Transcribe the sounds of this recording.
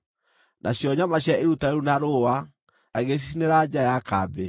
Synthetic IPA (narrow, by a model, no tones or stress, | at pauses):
nʔa̰ɕjɔɲamaɕjaeɾutaɾeɾunaɾowa | aɣes̬isineɾad͡ʒajakaːbe